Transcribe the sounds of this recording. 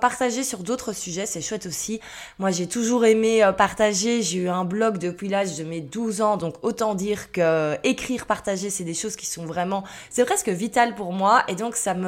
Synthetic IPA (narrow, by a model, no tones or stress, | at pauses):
paʁt̪aʒesyʁd̪ot̪χəsyʒɛsɛʃwɛt̪osi | mwaʒɛt̪uʒuʁemeøpaʁt̪aʒeʒeyɛ̃blɔkd̪əpɥilaʒd̪əmed̪uzɑ̃d̪ɔ̃kot̪ɑ̃d̪iːʁkəekχiʁpaʁt̪aʒesɛd̪eʃoz̥kʲi̥sɔ̃vʁɛmɑ̃ | sɛpχɛskəvit̪alpuʁmwaʔed̪ɔ̃ksamə